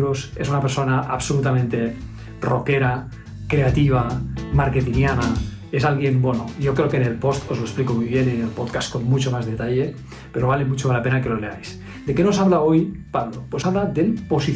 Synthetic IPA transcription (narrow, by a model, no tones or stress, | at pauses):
ɾose̞s̬unapeɾso̞naʔa̰βso̞lut̪amẽnt̪e̞ | ro̞ke̞ɾa | kɾe̞at̪iβ̞amaɾke̞t̪injana | e̞salɣje̞nbwenoʝo̞kɾe̞okene̞lpo̞st̪o̞zlo̞esplikomujβ̞je̞ninelpoðkast̪̚ko̞nmut͡ʃo̞mazðet̪aʎe̞ | pe̞ɾo̞β̞ale̞mut͡ʃolape̞nake̞lo̞le̞ajs | d̪e̞kenos̬aβlao̞jpaβd̪opwesaβlaðe̞lpo̞si